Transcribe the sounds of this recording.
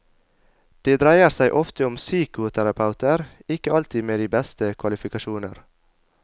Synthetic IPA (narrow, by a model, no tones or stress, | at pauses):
d̪̥eːd̪ɾæɪəɾsæɪʔɔft̪əʊmsyːkʊt̪ʰæɾɑpʰɑʉt̪ʰəɾɪkəɑlt̪iːmeːd̪iːbɛst̪əkʰʋɑlɪfɪkɑʃuːnəɾ